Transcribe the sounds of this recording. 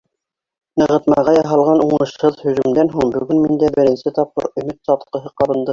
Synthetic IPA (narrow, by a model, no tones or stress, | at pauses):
nɤ̆ʁɤ̆t̪mɑʁɑjɑɦɑlˠʁɑnuɴɤ̆ʃhɤðhɵ̆ʒɵ̆md̪ænɦuɴbɵ̆ɡɵnmind̪æbɘ̆ɾɘ̆nsɘt̪ɒp̚qɤ̰ɾɵ̆mɘt̪sɑt̪qɤ̆ɦɤqɑɾɤ̆nd̪ɤ